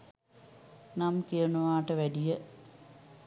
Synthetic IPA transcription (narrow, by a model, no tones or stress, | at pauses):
namkijɐɳuʋaːʈəʋædijə